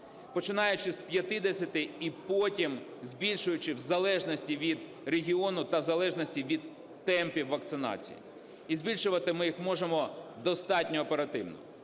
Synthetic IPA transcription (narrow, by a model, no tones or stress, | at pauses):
pɔt͡ʃɪnɑjʊt͡ʃɪsʲpʲjɐt̪ɪd̪ɛsʲɐt̪ɪipɔtʲim | zʲbʲilʲʃʊjʊt͡ʃɪwzɐlˠɛʒnɔsʲtʲiʋʲid̪ | ɾeɦʲiɔnʊt̪ɐwzɐlˠɛʒnɔsʲtʲiʋʲid̪ː | ɛmpʲiwːɐkt̪sɪnɑ̰t͡sʲḭjḭ | izʲbʲilʲʃʊʋɐt̪ɪmɪjixmɔʒemɔd̪ɔst̪ɑtʲnʲɔːpeɾɐt̪ɪwnɔ̰